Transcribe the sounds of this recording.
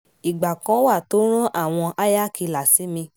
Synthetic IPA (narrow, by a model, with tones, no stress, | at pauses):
i˨ɡ͡ba˨kã˨˦wa˦˨to˨˦ɾ̃ɔ̃˦ʔa˦˨w̃ɔ̃˧ʔa˦ja˦ki˧la˨si˨˦mĩ˧